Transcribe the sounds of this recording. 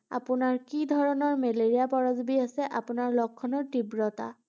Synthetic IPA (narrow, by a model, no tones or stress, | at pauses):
a̰pʊnaɹkidʱɔɹɔnɔɹmɛleɹijapɔɹɔzbiasɛʔapʊnaɹlɔkʰːɔnɔɹtibɹɔta̰